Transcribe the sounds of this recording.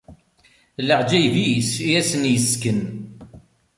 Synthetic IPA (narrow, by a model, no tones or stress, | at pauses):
ləʕd͡ʒæjvisijæsənjəskən